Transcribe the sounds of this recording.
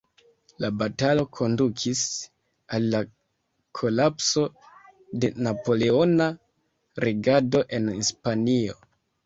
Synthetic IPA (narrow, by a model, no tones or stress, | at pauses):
labatalo̞kʰo̞ndukʰis | alːa | kʰo̞lapso̞ | de̞napo̞le̞o̞na | ɾʔeɡado̞ʔe̞nispanio̞̰